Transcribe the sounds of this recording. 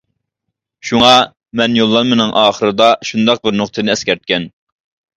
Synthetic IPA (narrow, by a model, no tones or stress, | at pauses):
ʃuŋɑ | mɛnjolˠːɑnmɪnɨŋʔɑːχəɾɨd̪ɑʃund̪ɑq̚bɪɾnʊqt̪ʰɨnɪɛskʲɛɾt̪̚kʲɛn